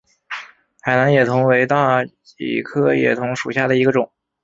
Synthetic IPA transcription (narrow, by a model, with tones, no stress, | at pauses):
xa˨˩ɪna˧˥njɛ˨˩t̪ʰʊ˧˥ŋwe˧˥ɪt̪a˥˩ | ḭ˨˩kʰɤ˥jɛ̰˨˩t̪ʰʊ˧˥ŋʂu˨˩ɕja˥˩d̪ə˩i˧˥ɡə˧ʈ͡ʂʊ˨˩˦ŋ